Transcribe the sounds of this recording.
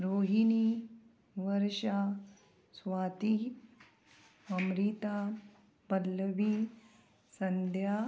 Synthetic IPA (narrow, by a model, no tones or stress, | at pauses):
ɾoːɦini | ʋɐɾʃa | sʋaːt̪i | ɐmɾiːt̪a | bɐlːəʋi | sɐnd̪ʱja